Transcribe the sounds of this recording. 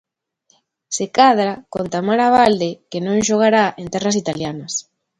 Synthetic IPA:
sekaðɾakont̪amaɾaβald̪ekenõŋʃoɣ̞aɾaent̪ɛrasit̪aljanɐs

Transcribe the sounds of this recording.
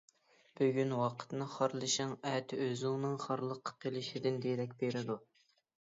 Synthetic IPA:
b̥øɡʲynwɑqʰə̥t̪nɨχɑɾlˠɨʃɪŋɛt̪ʰɪøzɪŋnɨŋχɑɾlˠəqʰːqʰelˠɪʃid̪ɪnd̪eɾɛkʲbeɾɪd̪u

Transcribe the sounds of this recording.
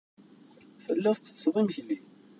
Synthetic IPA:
fəlːæθt͡sːə̥t͡sːðˤimçli

